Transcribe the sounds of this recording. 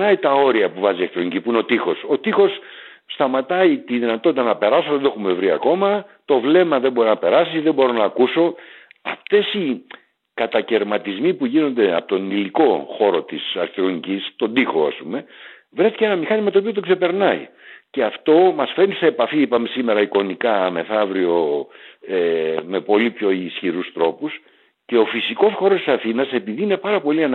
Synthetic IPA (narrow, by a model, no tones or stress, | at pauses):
ɐit̪ɐo̞ɾiɐpuvɐziɐkt̪ɾo̞nicipuineo̞t̪ixo̞so̞t̪ixo̞s | st̪ɐmɐt̪ɐit̪iðinɐt̪ot̪it̪ɐnɐpe̞ɾɐsoðend̪e̞xume̞vɾiɐ̰ko̞mɐt̪o̞vle̞mɐðe̞mbo̞ɾinɐpe̞ɾɐsiðe̞bo̞ɾo̞nɐːkuso̞ɐ̰ft̪esi | kɐt̪ɐce̞ɾmɐt̪izmipuʝino̞nd̪eɐ̰pot̪o̞niliko̞xo̞ɾo̞t̪isɐɾsθiɾo̞nicist̪o̞nd̪ixoɐ̰spume̞ | vɾe̞θi̥ceenɐmixɐnimɐt̪oːpio̞t̪o̞kse̞pe̞ɾnɐḭce̞ɐft̪o̞mɐsfe̞ɾnise̞ːpɐfiipɐmesime̞ɾɐiko̞nikɐme̞θɐvɾio̞ | eme̞po̞lipço̞isçiɾust̪ɾo̞pus | ce̞o̞fisiko̞sxo̞ɾost̪i̥sɐθinɐse̞piðiine̞pɐɾɐpo̞liɐn